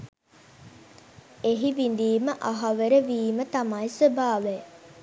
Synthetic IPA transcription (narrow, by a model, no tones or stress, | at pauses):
eɦiʋind̪iːməʔaɦaʋeɾəʋiːmət̪amajsəbʱaːʋe